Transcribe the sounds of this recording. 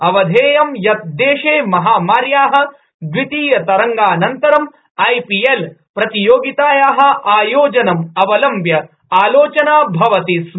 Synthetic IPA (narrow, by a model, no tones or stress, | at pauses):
ɐʋɐd̪ʱeːjɐmjɐt̪̚d̪eːʂeːmɐɦaːmaːɾjaːɦɐ̆ | d̪ʋit̪iːjɐt̪ɐɾɐŋɡaːnɐnt̪ɐɾɐm | ɐjpijel | pɾɐt̪ijoːɡit̪aːjaːɦɐ̆aːjoːd͡ʒɐnɐmɐʋɐlɐmbʱjɐ | aːloːt͡ʃɐnaːbʱɐʋɐt̪is